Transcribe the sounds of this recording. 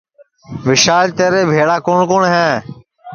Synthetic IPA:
ʋɪʃaːlt̪eːɾeːbʱeːɽaːkoːɳkoːɳɦɛ̃ː

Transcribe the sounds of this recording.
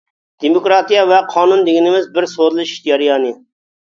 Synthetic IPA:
d̪̥emokɾɑːt̪ijɑvɛqʰɑːnund̪ɪɡʲɪnɪmɪzbɪɾsod̪ɨlˠɨʃi̥ʃjɑɾijɑːnɨ

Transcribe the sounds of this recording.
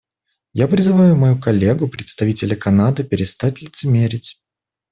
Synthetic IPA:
japɾʲɪzɨvajʊmɐjukɐlʲːe̞ɡʊpɾʲɪt̪st̪ɐvʲitʲɪlʲɪkɐnad̪ɨpʲɪɾʲɪst̪atʲlʲɪt̪sɨmʲeɾʲɪtʲ

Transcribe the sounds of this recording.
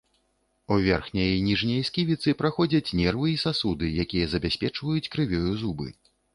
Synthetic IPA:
uvʲɛrxnʲɐjnʲiʐnʲɐjskʲivʲit̪sɨpɾaxɔd͡zʲɐt͡sʲnʲɛrvɨisasud̪ɨjakʲijɐzɐbʲasʲpʲɛt͡ʂvɐjut͡sʲkɾɨvʲɔjuzubɨ̰

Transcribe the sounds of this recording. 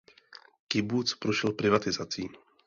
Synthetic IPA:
kɪbuːt͡spɾuʃɛlpɾɪvat̪ɪzat͡siː

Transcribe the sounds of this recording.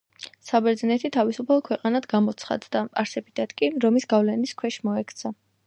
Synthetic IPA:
sabɛɾd̪znɛt̪ʰit̪ʰavisupʰalˠɔkʰwɛqʼanad̪ɡamɔt̪sʰχa̰d̪d̪apʼaɾsɛbid̪at̪kʼiɾɔmisɡavlɛniskʰwɛʃmɔɛkʰt̪sʰa

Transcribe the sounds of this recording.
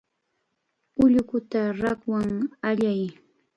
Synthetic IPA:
ʊʎʊkʊt̪aɾakwaŋaʎaj

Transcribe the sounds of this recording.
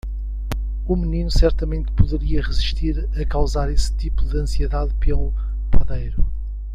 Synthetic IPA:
umɨninusɛɾt̪ɐmẽnt̪̚puðɨɾiɐʁɨziʃt̪iɾ | ɐkawzaɾest̪ipuðɨɐ̃sieðaðpelˠu | pɐðejɾu

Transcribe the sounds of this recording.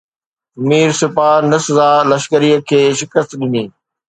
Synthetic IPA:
miːɾsɪpaːnɪszaːlɐʃkəɾiəkʰeːʃɪkəst̪ɗɪniː

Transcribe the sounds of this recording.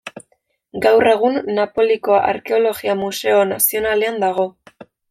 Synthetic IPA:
ɡawre̞ɣ̞unːapo̞liko̞ʔa̰ɾke̞o̞lo̞ɣiamuse̞o̞nasio̞nale̞and̪aɣ̞o̞

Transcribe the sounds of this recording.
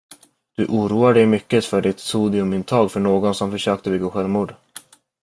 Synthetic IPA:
d̪̥ɵʔuːɾuːaɖɛjmʏkːət̪fœɖɪt̪suːd̪ɪɵmɪnt̪ʰɑːɡfœɳoːɡɔnsɔmfœʂøːk̚t̪əbɪɡaɧɛlmuːɖ

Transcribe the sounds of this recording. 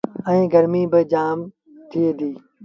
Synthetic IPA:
ɛ̃ːɡəɾmiːbɪd͡ʒaːm | t̪ʰɪeːd̪iː

